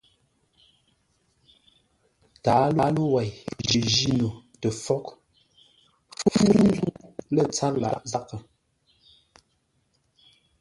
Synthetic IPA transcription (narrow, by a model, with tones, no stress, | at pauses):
taː˨˦la˨˦lo˦wa˨jʒi˨ʒi˦no˨tə˨fɔ˦k | fu˦u˦ŋ˦ɡu˦lə˦˨t͡sa˦la̰˨ʔza˦kə˨